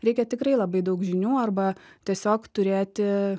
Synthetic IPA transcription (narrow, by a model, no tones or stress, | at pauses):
ɾʲɛɪkʲɛt̪ʲɪkɾɐɪlˠɐbɐɪd̪ɐʊkʒʲɪnʲuːɐrbɐt̪ʲiɛsʲoːkt̪ʊɾʲeːt̪ʲɪ